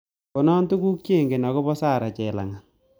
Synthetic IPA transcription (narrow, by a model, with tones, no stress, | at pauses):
ko˨nɔ˦ntu˦ku˦k̚t͡ʃe˦˨ŋɡe˨nɔ˨kɔ˦pɔ˦sa˦˨ɾa˨t͡ʃɛ˨la̰˨ŋa˨